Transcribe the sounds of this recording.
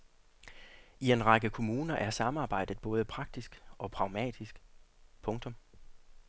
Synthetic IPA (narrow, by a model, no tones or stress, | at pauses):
ie̝nʁɑ̈ɡ̥əkʰo̝muːnɐʔæɐsɑ̈mɑ̈ːb̥ɑ̈ɪ̰d̥ð̩ˠb̥ɔ̽ːð̞ˠəpʰʁɑ̈ɡ̥̚d̥isɡ̥ɒ̽pʰʁɑ̈ʊmɛ̰ːd̥isɡ̥pʰɔ̽ŋt͡sʰɔ̽m